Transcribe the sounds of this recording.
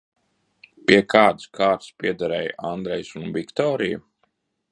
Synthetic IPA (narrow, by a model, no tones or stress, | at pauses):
piɛkʰaːd̪skʰaːɾt̪spiɛd̪aɾɛjʔand̪ɾɛjsunvikt̪ɔːɾijṵ